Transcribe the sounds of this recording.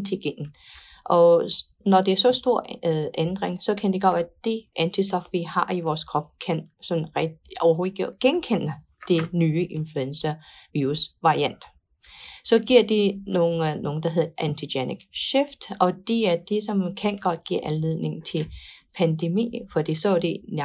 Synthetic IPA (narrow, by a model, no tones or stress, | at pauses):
t͡sʰeɡ̥en̩ | ʔɒ̽ | nɒd̥e̝æɐs̬ɒ̽sd̥o̝ɐ̰ʔend̥ʁeŋsɒ̽kʰænd̥e̝ɡ̥ɒ̰ʋæd̥e̝ʔænt͡sʰisd̥ɒ̽fʋihɑ̈iʋɒːskʰʁɒ̽b̥kʰænsɒ̽nn̩ʁɒʊɐɦo̝ːiɡ̥ɡ̥ennkʰen̰ə | d̥e̝nyːəʔe̝nfluensɐʋiːʁusʋɑ̈ʁiæn̰d̥ | sɒ̽ɡ̥iɐ̰d̥inoːn̩noːŋ̩d̥ɑ̈ɦe̝ð̰ˠɐʔænt͡sʰiɡ̥eniɡ̥ɕefd̥ɒ̽d̥e̝æɐd̥esɒ̽mkʰænɡ̥ɒ̽d̥ɡ̥ḭɐʔænleð̰ˠne̝ŋn̩t͡sʰe̝lpʰænd̥e̝mḭːfɒ̽d̥ḭːsɒd̥e̝n